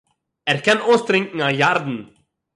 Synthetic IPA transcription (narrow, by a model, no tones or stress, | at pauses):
ɛɾkɛnoːst̪ɾɪŋkŋ̩aːjaɾd̪n̩